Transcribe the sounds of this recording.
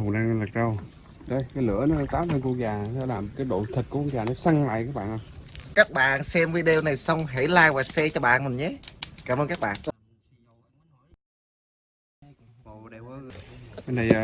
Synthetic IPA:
ʊ˨˩na˧laː˨˩kə˧w | ɗə˧˦jkaː˨˦jlɨ̰˧˥ənɔ˨˦n˨˦t̪aː˨˦mtə˧nku˧ək̚zaː˨˩sɛ˧˥laː˨˩m˩kaː˨˦jɗo̰˧˨t̪ʰi˨˩t̚ku˧˦ku˧k̚zaː˨˩nɔ˨˦sa˧ŋla̰ː˧˨jkaː˦˥k̚ɓa̰ː˧˨nʔa˧˩kaː˦˥k̚ɓa̰ː˧˨nsɛ˧mvə˨˦ɗe˧wna˨˩jsə˧wŋ͡mɦe˧˥˦jlaː˧jvaː˨˩sɛ˧t͡ɕɔ˧ɓa̰ː˧˨nmɨ˨˩nɲə˨˦kaː˧˩mʔəː˧nkaː˦˥k̚ɓa̰ː˧˨n | ə˧nə˨˩˨

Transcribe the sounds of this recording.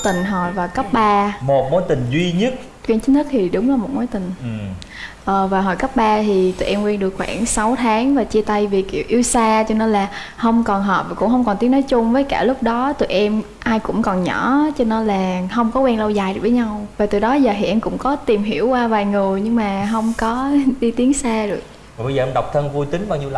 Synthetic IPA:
t̪ï˨˩ŋ̟ɦɔ˨˩jvaː˨˩kə˦˥p̚ɓaː˧mo˨˩t̚mo˨˦jt̪ï˨˩ŋ̟zwi˧ɲə˦˥t̚ | kwɛ˧nt͡ɕɨ˦˥nt̪ʰə˦˥t̚t̪ʰi˨˩ɗʊ˨˦wŋ͡mlaː˨˩mo˨˩mo˨˦jt̪ï˨˩ŋ̟˨˩ | ʔəː˨˩vaː˨˩ɦɔ˧˩jkə˦˥p̚ɓaː˧t̪ʰi˨˩t̪ɨ̰˧˨˩ʔɛ˧mkwɛ˧nɗɨ˨˩əkxwa̰ː˧˩ŋsa˨˦wt̪ʰaː˨˦ŋvaː˨˩t͡ɕi˧ət̪a˧jvi˨˩k̚ːḭ˧˩əwʔi˧wsaː˧t͡ɕɔ˧nɔ˨˦laː˨˩ | hə˧wŋ͡mkɔ˨˩nɦəː˨˩p̚vaː˨˩kʊ̰˧˥ŋ͡mɦə˧wŋ͡mkɔ˨˩nt̪i˨˦ənɔ˨˦jt͡ɕʊ˧ŋ͡mvəː˨˦jkaː˧˩lʊ˦˥k͡p̚ɗɔ˨˦t̪ɨ̰˧˨jʔɛ˧m | ʔaː˧jkʊ̰˧˥ŋ͡mkɔ˨˩nɲɔ˧˩˥t͡ɕɔ˧nɔ˨˦laː˨˩hə˧wŋ͡mkɔ˨˦kwɛ˧nlə˧wzaː˨˩jɨ˨˩k̚vəː˨˦ɲa˧wvaː˨˩t̪ɨ˨˩jɗɔ˨˦zəː˨˩ɦɛ̰˧˩˨ʔɛ˧mkʊ̰˧˥ŋ͡mkɔ˨˦t̪i˨˩mɦi˧˩əwkwaː˧vaː˨˩jŋɨ˨˩əjɲɨ˧ŋmaː˨˩ɦə˧wŋ͡mkɔ˨˦ɗi˧t̪i˨˦əŋsaː˧ɗɨ˨˩ək̚ | vaː˨˩ɓə˧jzəː˨˩ʔɛ˧mɗə˨˩wk͡p̚t̪ʰə˧nvu˧jt̪ï˨˦ŋ̟ɓaː˧wɲi˧əl

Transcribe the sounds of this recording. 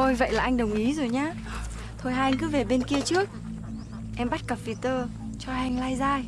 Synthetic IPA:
o˧jvə̰˧˨jlaː˨˩ʔa˧jŋ̟ɗə˨˩wŋ͡mʔi˨˦zo˨˩jɲaː˨˦ | t̪ʰo˧jɦaː˧jŋ̟kɨ˨˦ve˨˩ɓe˧nki˧ət͡ɕɨ˦˥ək̚ | ʔɛ˧mɓa˦˥t̚kə˨˩p̚vi˨˧˩t̪əː˧ | t͡ɕɔ˧ha˧jŋ̟laː˧jzaː˧j

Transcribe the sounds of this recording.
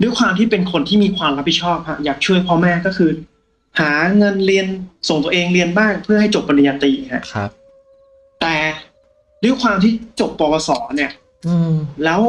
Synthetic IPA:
du˥˩əkʰwaː˧mt̪ʰiː˥˩pe˧nkʰo˧nt̪ʰiː˥˩miː˧kʰwaː˧mɾa˦˥p̚ʰːi˨˩t͡ɕʰɔː˥˩p̚ha˦˥ʔjaː˨˩k̚t͡ɕʰu˥˩əjpʰɔː˧˥mɛː˥˩kɔː˥˩kʰɯː˧ | haː˩˦ŋɤ˧nɾi˧ənso˨˩ŋt̪u˧əʔeː˧ŋɾi˧ənbaː˥˩ŋpʰɯ˥˩ɐha˥˩jt͡ɕo˨˩p̚ːa˧na˧jaː˧t̪iː˧ha˦˥kʰ | t̪ɛː˨˩ | du˦˥˩əkʰwaː˧mt̪ʰiː˥˩t͡ɕo˨˩pːɔː˧pɔː˧sɔː˩˦ni˥˩ɐ˧ | lɛː˦˥w

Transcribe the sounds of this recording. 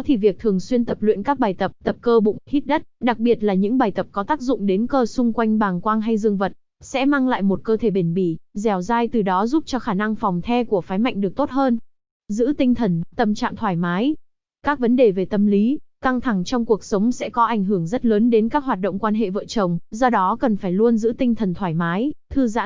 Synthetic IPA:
t̪ʰi˨˩vi˨˩ək̚t̪ʰɨ˨˩əŋswi˧ənt̪ə˨˩p̚lwḭ˧˨ənkaː˦˥k̚ɓaː˨˩jt̪ə˨˩p̚t̪ə˨˩p̚kəː˧ɓʊ̰˧˨ŋ͡mhi˦˥t̚ɗə˦˥t̚ɗa˨˩k̚ɓi˨˩ət̚laː˨˩ɲɨ̰˧˥ŋɓaː˨˩jt̪ə˨˩p̚kɔ˨˦t̪aː˦˥k̚zʊ̰˧˨ŋ͡mɗe˨˦nkəː˧sʊ˧ŋ͡mkwa˧jŋ̟ɓaː˨˩ŋkwaː˧ŋɦa˧jzɨ˧əŋvə˨˩t̚ | sɛ̰˧˥maː˧ŋla̰ː˧˨jmo˨˩t̚kəː˧t̪ʰe˧˩ɓe˧˩nɓi˧˩zɛ˨˩wzaː˧jt̪ɨ˨˩ɗɔ˨˦zu˦˥p̚t͡ɕɔ˧xaː˧˩na˧ŋfɔ˨˩wŋ͡mt̪ʰɛ˧ku˧˩əfaː˨˦jma̰˧˨jŋ̟ɗɨ˨˩ək̚t̪o˦˥t̚həː˧n | zɨ̰˧˥t̪ï˧ŋ̟t̪ʰə˨˩nt̪ə˧˩mt͡ɕa̰ː˧˨mt̪ʰwaː˧˩jmaː˨˦j | kaː˦˥k̚və˨˦nɗe˨˩ve˨˩t̪ə˧mli˨˦ka˧ŋt̪ʰa˧˩ŋt͡ɕɔ˧wŋ͡mku˨˩ək̚sə˨˦wŋ͡msɛ̰˧˥kɔ˨˦ʔa˧˩jŋɦɨ˧˩əŋzə˦˥t̚ləː˨˦nɗe˨˦nkaː˦˥k̚ɦwaː˨˩t̚ɗo̰˧˨wŋ͡mkwaː˧nɦḛ˧˨və̰ː˧˨t͡ɕə˨˩wŋ͡mzɔ˧ɗɔ˨˦kə˨˩nfaː˧˩jlu˧ənzɨ̰˧˥t̪ï˧ŋt̪ʰə˨˩nt̪ʰwaː˧˩jmaː˨˦jt̪ʰɨ˧za̰ː˧˥

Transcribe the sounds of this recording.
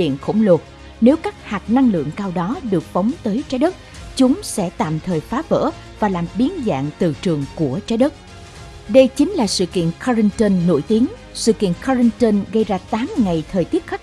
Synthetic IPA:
ɗḭ˧˨ənxo̰˧˩wŋ͡mlo˨˩t̚ | ne˨˦wkaː˦˥k̚haː˨˩t̚na˧ŋlɨ̰˧˨əŋkaː˧wɗɔ˨˦ɗɨ˨˩ək̚fə˨˦wŋ͡mt̪əː˨˦jt͡ɕaː˨˦jɗə˦˥t̚t͡ɕʊ˨˦ŋ͡msɛ̰˧˥t̪a̰ː˧˨mt̪ʰəː˨˩jfaː˨˦və̰ː˧˥ | vaː˨˩laː˨˩mɓi˨˦ənza̰ː˧˨ŋt̪ɨ˨˩t͡ɕɨ˨˩əŋku˧˩ət͡ɕaː˨˦jɗə˦˥t̚ | ɗə˧jt͡ɕï˨˦ŋ̟laː˨˩sɨ̰˧˨kḭ˧˨ənkɔ˧zi˧ŋt̪ə˧nːo̰˧˩jt̪i˨˦əŋ | sɨ̰˧˨kḭ˧˨ənkɔ˧zi˧ŋt̪ə˧nɣə˧jzaː˧t̪aː˨˦mŋa˨˩jt̪ʰəː˨˩jt̪i˦˥ət̚xa˦˥j̚

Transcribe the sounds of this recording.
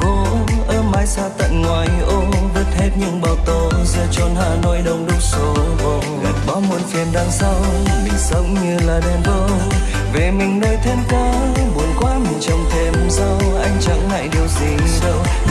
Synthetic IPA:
ko˨˦ʔəː˧maː˨˦jsaː˧t̪a̰˧˨jŋwaː˨˩jʔo˧mvə˦˥t̚he˦˥t̚ɲɨ̰˧˥ŋɓaː˨˩wt̪o˧˩zə̰˧˥t͡ɕɔ˧˩nha̰ː˧˨no˧jɗə˧˩wŋ͡mɗɨ˨˦k̚so˨˦v | ɓa˨˦mo˨˩nfi˨˩ənɗaː˧ŋsa˧wɓḭ˧˥ŋ̟sə˨˦wŋ͡mɲɨ˧laː˨˩ɗɛ˧˩mvə˧˦ | ve˨˩mï˨˩ŋ̟noː˧jt̪ʰe˧mkɔ˧˦ | ɓu˨˩nkwaː˧˦mi˨˩ŋt͡ɕə˨˩wŋ͡mt̪ʰe˧˩mza˧wʔa˧jŋ̟t͡ɕa˨˦ŋŋa̰ː˧˨jɗi˨˩əwzi˨˩ɗə˧w

